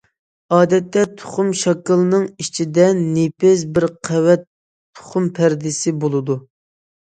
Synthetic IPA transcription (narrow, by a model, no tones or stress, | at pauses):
ɑːd̪ɛt̪ːɛt̪ʰʊ̥χʊmʃɑkɨlˠnɨŋit͡ʃʰid̪ɛnːepɪsbɪɾqʰɛwɛt̪ʰː | ʊ̥χʊmpʰæɾd̪ɪsɪbolˠɨd̪u